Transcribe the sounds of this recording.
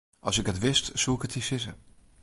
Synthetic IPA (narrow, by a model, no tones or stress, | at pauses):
ʔɑ̰lˠsɪkətʋɪstsuɪkətisɪzə̰